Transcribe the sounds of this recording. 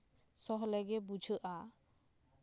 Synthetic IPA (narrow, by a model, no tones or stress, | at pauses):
sɔɦlɛɡɛbud͡ʒʱəʔa